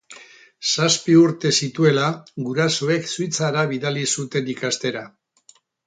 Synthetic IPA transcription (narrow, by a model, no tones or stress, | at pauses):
saspiuɾt̪e̞sit̪ue̞laɡuɾasoe̞ksujt͡saɾaβiðalisut̪e̞nikast̪e̞ɾa